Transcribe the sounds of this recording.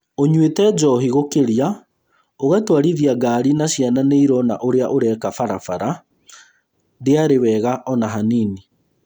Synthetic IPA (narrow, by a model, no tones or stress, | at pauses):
oɲwetɛd͡ʒɔɦiɣokeɾia | oɣatwaɾiðjaɡaːɾinaɕjananeiɾɔna̰ʔoɾeaʔoɾɛːkafaɾafaɾa | deaɾewɛːɣaʔɔnaɦaniːni